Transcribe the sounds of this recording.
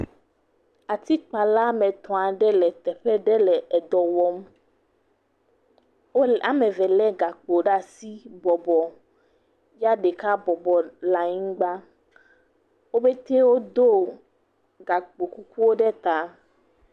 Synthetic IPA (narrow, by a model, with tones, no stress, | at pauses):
a˨t̪i˦k͡pa˨la˦mɛ̃˨t̪ɔ̃˨a˨ɖɛ˦lɛ˨t̪ɛ˨ɸɛ˦ɖɛ˦lɛ˨ʔɛ˨d̪ɔ˨wɔ˦m | wo˦a˦mɛ̃˨vɛ˨lɛ˦ɡa˨k͡po˨ɖa˦si˦bɔ˨bɔ˨ | ja˦ɖɛ˨ka˦bɔ˨bɔ˨la˨ɲĩ˦ɡ͡ba˦ | wo˦be˦t̪e˦wo˦d̪o˦ | ɡa˨k͡po˨ku˦ku˦wo˦ɖɛ˦t̪a˨˦